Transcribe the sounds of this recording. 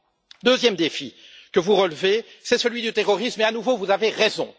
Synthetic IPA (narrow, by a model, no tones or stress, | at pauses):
d̪øzjɛmd̪efikəvuʁəlvesɛsəlɥid̪yt̪eʁɔʁismɛanuvovuzaveʁɛzɔ̃